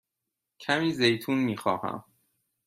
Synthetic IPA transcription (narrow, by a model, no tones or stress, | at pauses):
cʰæmiːzejt̪ʰuːnmiːxɒːhæ̰m